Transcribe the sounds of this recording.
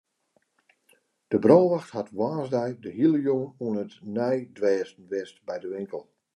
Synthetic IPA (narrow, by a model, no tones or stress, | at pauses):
d̥əbroːʋaxthatʋaːzdɛjdəhilˠəjoŋənuənətnɛjdʋɛːstn̩ʋɛstbɛjdəʋɪŋkəlˠ